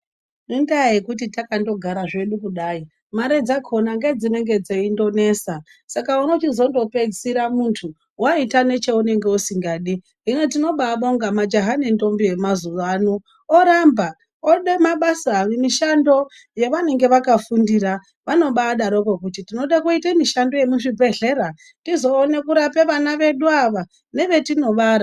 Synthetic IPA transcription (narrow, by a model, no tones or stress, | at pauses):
nindaaekut̬itakando̞ɡʱaɾaʐe̞ɗukuɗaːi | maɾe̞d͡zakʰo̞naŋɡe̞d͡zine̞ŋɡe̞d͡zeindo̞ne̞sa | sakauno̞t͡ʃizo̞ndo̞pe̞d͡zsiɾamuntʰu | waitane̞t͡ʃe̞une̞ŋɡe̞usiŋɡaːɗi | ɦinot̬ino̞ɓaɓauŋɡamad͡ʒaɦane̞ndo̞mbije̞mazuʋaːno | oɾamba | oɗemaɓasaːrimiʃando̞ | je̞ʋane̞ŋɡe̞ʋakafundira | ʋano̞ɓaːɗaɾokokutitino̞ɗakuitemiʃando̞je̞muʐibʱe̞ɮe̞ɾa | tizo̞ːne̞kuɾape̞ʋanaʋe̞ɗuaʋa | ne̞ʋe̞tino̞ʋaɾa